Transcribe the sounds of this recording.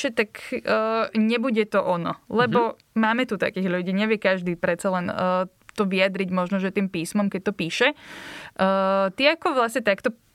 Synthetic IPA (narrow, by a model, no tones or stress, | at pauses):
ʃɛt̪akː | ɲɛbuɟɛt̪ɔʔɔnɔ̰lɛbɔ | maːmɛt̪ut̪a̰kiːɣʎuɟiːɲɛʋɪɛkaʒd̪iːpɾɛt͡salɛnː | t̪ɔʋiad̪ɾiɟmɔʒnɔʒɛt̪iːmpiːsmɔmkɛc̚t̪ɔpiːʃɛ | t̪iakɔʋlasɲɛt̪akt̪ɔ